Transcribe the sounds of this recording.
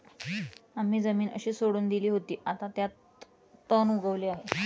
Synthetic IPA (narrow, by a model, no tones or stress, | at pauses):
am̤ːiːd͡zəmiːnʔə̰ɕiːsoɽuːnd̪iliːɦot̪iːʔat̪at̪jat̪ː | ənuɡəʋleːaɦe